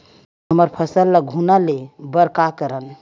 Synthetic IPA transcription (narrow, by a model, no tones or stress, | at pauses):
ɦəməɾpʰəsəlːəɡʱunalebəɾkakəɾən